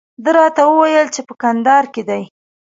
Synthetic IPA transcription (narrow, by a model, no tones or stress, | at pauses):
d̪əɾɑt̪awəwajəlt͡ʃepəkand̪ɑɾked̪aj